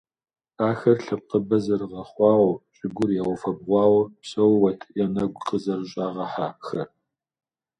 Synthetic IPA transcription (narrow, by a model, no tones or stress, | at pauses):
aːxɐrɬɐp̚qəbɐzɐrʁɐχʷɑːwɐɕʼɪɡʷʊrjɛʁʷʊfɐb̚ʁʷɑːwɐpɕʼɐwwɐtʰɨʔjɛnɐɡʷqʼəzɐrɕʼaːʁɐħaːxɐr